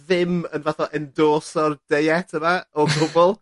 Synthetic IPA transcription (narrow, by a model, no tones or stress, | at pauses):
ðɪmənvaθɔʔɛndoːsɔrd̥ejɛtʰəmaɔɡʊbɔlˠ